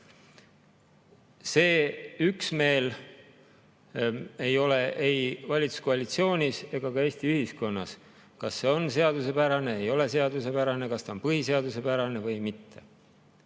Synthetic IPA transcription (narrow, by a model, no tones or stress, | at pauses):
se̞ːyksme̞ːl | ejo̞le̞ʔejvɑlʲit̪u̥skoɑlit̪sio̞ːnʲise̞ɡ̥ɑkɑe̞ːst̪iyhisko̞nːɑ̰s | kɑsːe̞o̞nse̞ɑd̪use̞pæɾɑne̞ejo̞le̞se̞ɑd̪use̞pæɾɑne̞kɑst̪ɑonpɯɦise̞ɑd̪use̞pæɾɑne̞vɤjmit̪ːe̞̥̰